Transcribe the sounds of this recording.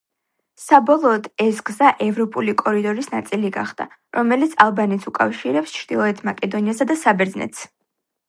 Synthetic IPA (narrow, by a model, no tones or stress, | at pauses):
sabɔlˠɔːd̪ɛsɡzaʔɛvɾɔpʼulikʼɔɾid̪ɔɾisnat̪sʼiliɡa̰χd̪a̰ | ɾɔmɛlit̪sʰalˠbanɛt̪sʰukʼa̰fʃiɾɛpst͡ʃʰɾd̪ilˠɔɛt̪ʰmakʼɛd̪ɔniasad̪asabɛɾd̪znɛ̰t̪ʰs